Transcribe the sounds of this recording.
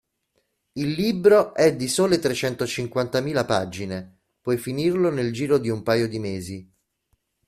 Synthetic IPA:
ilːiːbɾoʔɛd̪ːisoːlet̪ɾet͡ʃɛnt̪ot͡ʃiŋkwant̪amiːlapad͡ʒine | pɔjfinirloneld͡ʒiːɾod̪iumpaːjod̪imeːzi

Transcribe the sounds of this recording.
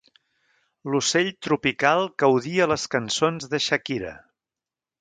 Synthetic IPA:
luseʎʲt̪ɾupikalˠɡəwðiələskənsonzðəʃəkiɾə̰

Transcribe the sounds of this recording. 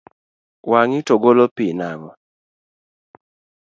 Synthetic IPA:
waŋitoɡolopinaŋɔ

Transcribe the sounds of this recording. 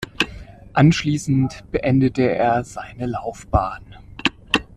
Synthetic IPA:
ʔanʃliːsn̩tb̥əʔɛndətəeːɐzaɪnəlaʊfb̥aːn

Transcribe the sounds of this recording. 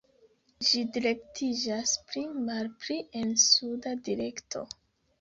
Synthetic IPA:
d͡ʒidiɾe̞ktʰid͡ʒaspɾimalpɾiʔe̞nsudadiɾe̞ktʰo̞̰

